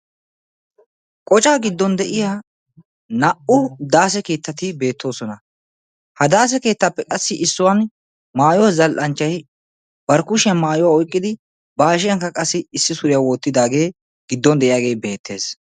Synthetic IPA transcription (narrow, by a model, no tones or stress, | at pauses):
kʼɔt͡ʃʼaːɡɪd̪ːɔnd̪ɛʔɪjaː | nɐʔʊd̪aːs̬ɛke̞ːt̪ːɐt̪ɪbe̞ːt̪ːo̞ːsɔnɐ | hɐd̪aːs̬ɛke̞ːt̪ːɐpːɛkʼɐsːɪʔɪsːʊwɐn | maːjɔwzɐlʔɐnt͡ʃːɐj | bɐɾkʊʃɪjɐmaːjɔwaːɔjkʼːɪd̪ɪ | baːʃ̬ɪjɐŋkːɐkʼɐsːɪːsːɪsʊɾɪjawoːt̪ːɪd̪aːɡe̞ː | ɡ̥ɪd̪ːɔnd̪ɛʔɪjaːɡe̞ːbe̞ːt̪ʰːe̞ːs